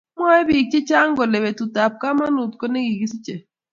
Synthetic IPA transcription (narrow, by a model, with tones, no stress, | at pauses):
mwa˦ɛ˦bi˨k̚t͡ʃe˦t͡ʃa˦ŋ˦ɡɔ˨le˨βe˨tu˨ta˨p̚ka˦ma˦nu˨tkɔ˦ne˦ɡi˨ɡi˦si˦t͡ʃe˨